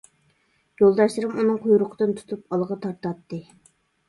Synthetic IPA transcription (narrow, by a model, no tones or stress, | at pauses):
jolˠd̪ɑʃlˠɨɾɨmunɨŋqʰujuɾʊqʰəd̪ɨnt̪ʰu̥t̪ʰup̚ɑlˠʁɑt̪ʰɑɾt̪ɑt̪ːɨ